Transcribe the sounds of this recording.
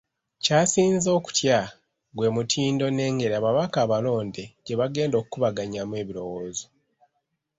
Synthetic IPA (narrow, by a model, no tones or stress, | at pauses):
caːsiːnzo̞ːku̥tja | ɡwe̞ːmutʰiːndo̞ne̞ːŋɡe̞ɾaːβaβakaːβalo̞ːndeɟe̞βaɡe̞ːndo̞ːkukuβaɡaɲamwe̞βiɾo̞woːzo